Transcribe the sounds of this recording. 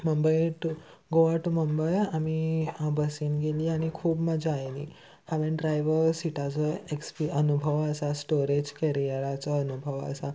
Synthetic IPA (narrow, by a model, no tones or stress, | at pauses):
məmbəjʈu | ɡoʋaʈuməmbəjamibəsiːnɡeliːaɽ̃ikʰuːbmad͡ʑʱiajlḭː | haʋẽɖɾajʋəɾsiʈʰat͡sɔekspiənubʱəʋəsasʈoɾed͡ʑkəɾijaɭat͡sɔənubʱəʋə̰sa